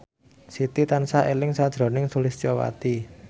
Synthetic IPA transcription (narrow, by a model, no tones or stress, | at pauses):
sit̪it̪ansaʔelɪŋsad̥ʒ̥ɾo̤nɪŋsulɪst͡ʃɔwa̰t̪i